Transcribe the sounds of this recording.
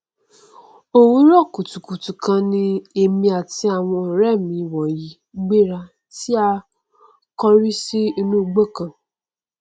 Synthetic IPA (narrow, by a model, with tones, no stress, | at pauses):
o˦wu˦ɾɔ˦˨ku˨tu˨ku˨tu˨kã˧ni˦e˨mĩ˦a˨ti˦a˨ŋʷɔ̃˧˦ɔ˨ɾɛ˦˨mĩ˨˦wɔ˨ji˨ | ɡ͡be˦ɾa˦ | ti˦a˦ | kɔ˦ɾi˦si˦nũ˦ɡ͡bo˦˨kã˨